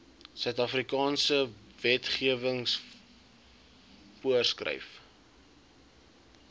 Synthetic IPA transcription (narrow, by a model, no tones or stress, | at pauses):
sœɥtɐfrikɑːnsəvɛtχiəvəŋs | fuərskrə̰jf